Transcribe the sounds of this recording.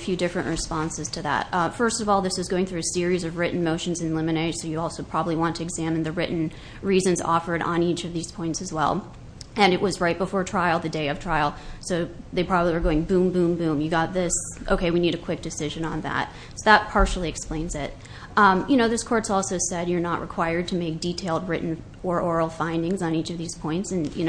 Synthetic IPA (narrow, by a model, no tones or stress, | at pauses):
fjʉdɪfɹɨ̃nʔɹʔɨspɑ̃nsɨz̥tʰɨðæ̰t̚fɜ˞stʌvɔlˠðɪswɨzɡoʊɪ̃ŋθɹʉɨsɪɹizʌvɹɪʔn̩moʊʃɨ̃n̩zɨ̃nlɪ̃mɨneɪ̥soʊjɨɔlˠsoʊpʰɹ̥ɑbəbliwɑ̃ntʰɨɨɡzæmn̩ðɨɹɪʔn̩ | ɹizɨ̃nzɔ̰fə˞ɾn̩it͡ʃʌvðiz̥pʰɔ̃ɪ̃ntsɨzwɛ̰lˠ | ɨ̃nɨʔ̚wʔʌzɹaɪt̚b̥əfɔɹtʰɹ̥aɪl̩ˠðɨdeɪʌv̥tʰɹ̥aɪl̩ˠsoʊðeɪpʰɹ̥ɑbəbliwə˞ɡoʊɪ̃ŋbũmbũmbʉ̃mjɨɡɑt̪̚ðɪsʔo̰ʊkʰeɪwiniɾɨkʰw̥ɪk̚d̥ɨsɪʒɨ̃nə̃nðæ̰t̚ | soʊðət̚pʰɑɹʃl̩ˠiɨksplẽɪ̃nzɪt̚ | jɨñoʊðɪskʰɔɹtsɔlˠsoʊsɛdjə˞nəʔɹʔɨ̰kʰw̥aɪə˞d̚tʰɨmeɪk̚d̥itʰeɪlˠd̚ɹɪʔn̩ | ɔɹʔɔɹl̩ˠfãɪ̃ndɪ̃ŋzn̩it͡ʃʌvðiz̥pʰɔ̃ɪ̃ntsɨ̃njɨ̰nʊ